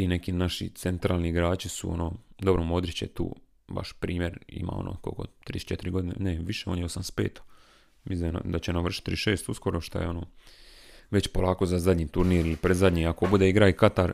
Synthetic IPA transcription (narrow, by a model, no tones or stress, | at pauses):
t̪ine̞kinaʃḭt̪sent̪ɾaːlˠniiɡɾaːt͡ɕisṵo̰nod̪o̞bɾomo̞d̪ɾit͡ɕet̪ṵː | ba̰ʃpɾiːmje̞ɾḭma̰o̰no̰ko̰ko̰t̪ɾḭːsu̥t͡ʃet̪iɾiɡo̞d̪inḛneʋiʃeonjeosamspe̞ːt̪ḁ | misd̪na̰d̪at͡ɕenaʋr̩ʃi̥t̪ːɾiʃe̞ːst̪usko̞ɾoʃt̪a̰jeo̞no | ʋe̞t͡ɕpo̞laːko̞zazad̪ʲɲit̪uɾniːɾilipɾezad̪ɲiako̞bud̪eiɡɾaikat̪aɾ